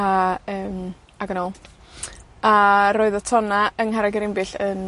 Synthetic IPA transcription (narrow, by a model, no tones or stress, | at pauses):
aəːm | aɡənɔlˠ | aɾoːɨðɔtʰɔnaəŋɦaɾaɡɪɾɪmbɨɬən